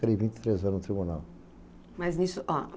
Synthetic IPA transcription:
kɐɾivĩnt̪i̥t̪ɾezɐ̃nt̪ɾibunaw | mɐznisʊʔɔ

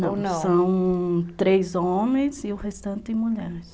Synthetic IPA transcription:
nɐ̃wɐ̃ssɐ̃w̃t̪ɾejzõmẽj̃zɪʊhest̪ɐ̃nt̪ɪɪ̃muʎɛɾɪs

